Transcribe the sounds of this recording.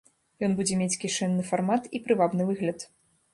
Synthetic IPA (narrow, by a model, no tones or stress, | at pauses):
jɔnbud͡zʲɛmʲet͡sʲkʲiʂɛnːɨfarmat̪ipɾɨvabnɨvɨɣlʲɐt̪